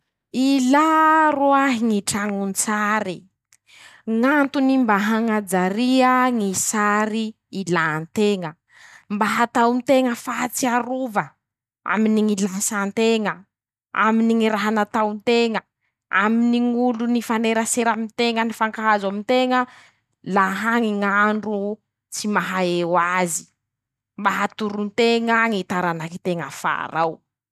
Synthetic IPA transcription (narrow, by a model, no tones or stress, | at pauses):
ilaruaɦiŋiʈ͡ʂaŋunt͡saɾi | ŋant̪unimbaɦaŋad͡zaɾiəŋisaɾiː | lant̪eŋə | mbaɦat̪awnt̪eŋəfat͡siaɾuvə | a̰miniŋilasant̪eŋə | a̰miniŋiɾaɦanat̪awnt̪eŋə | aminiŋulunifaneɾəseɾamint̪eŋənifaŋkaɦazamint̪eŋə | laɦaŋiŋaɳɖ͡ʐu | t͡simaɦaewazi̥ | mbaɦat̪uɾunt̪eŋaŋit̪aɾanakit̪eŋəfa̰ɾaw